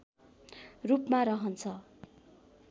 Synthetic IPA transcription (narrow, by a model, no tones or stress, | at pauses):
rupmaɾʌɦʌnt͡sʰʌ